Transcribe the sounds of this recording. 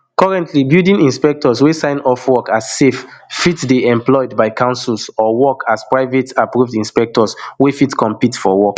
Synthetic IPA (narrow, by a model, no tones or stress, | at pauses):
kɔɹɛ̃ntʰlibildĩnĩnspɛk̚tʰɔswesãɪ̃nɔfwɔkasːefːitsdeɛ̃mplɔɪdbaɪkãʊ̃nsilˠsɔwɔkʰaspɹaɪvetapɹuvdĩnspɛk̚tɔswefitkɔ̃mpitfɔwɔk